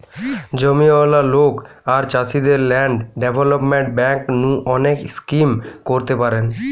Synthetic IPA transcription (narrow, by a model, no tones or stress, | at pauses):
d͡ʑomiɔlalok | aɾt͡ɕasid̪eɾlɛɳɖɖebʱɔlopmeɳʈ̚bɛŋknũʔɔnekskimkoɾt̪epaɾen